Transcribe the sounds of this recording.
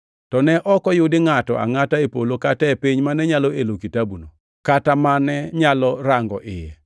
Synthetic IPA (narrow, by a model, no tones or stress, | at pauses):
tɔnɛʔɔkɔjʊdɪŋatɔ̰a̰ŋataepolokatɛepiɲmanɛɲalɔelokitabuno̰ | katamanɛɲalɔɾaŋɡɔ̰ʔɪjɛ